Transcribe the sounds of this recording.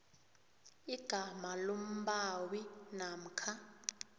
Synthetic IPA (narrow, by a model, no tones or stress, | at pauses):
iɡ̥ʱamalom̩bawinam̩kʰa